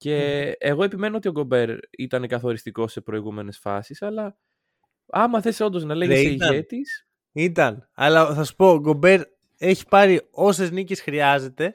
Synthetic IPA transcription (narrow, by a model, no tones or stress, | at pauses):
ce̞ːɣo̞e̞pime̞noo̞t̪io̞ɡo̞be̞ɾit̪ɐnekɐθo̞ɾist̪iko̞se̞pɾo̞iɣume̞ne̞sfɐ̰sisɐlɐ | ɐmɐθe̞so̞nd̪oznɐleʝesiʝet̪is | it̪ɐnɐ̰lɐθɐsu̥po̞ɡo̞be̞ɾ | e̞çi̥pɐɾio̞se̞znice̞sxɾiɐze̞t̪e̞